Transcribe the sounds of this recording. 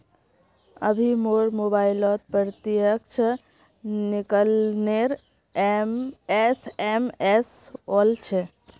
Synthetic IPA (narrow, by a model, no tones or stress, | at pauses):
ə̰bʱimoɾmobailɔt̪̚pɾɾt̪ijək̚t͡ʃʰə | nikəlneɾ | mesemesolt͡ʃʰɛ